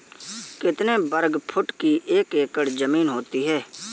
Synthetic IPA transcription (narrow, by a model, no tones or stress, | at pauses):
kɪt̪nebəɾɡpʰʊʈkiʔeːkeːkəɽd͡ʒəmiːnɦoːt̪iɦɛː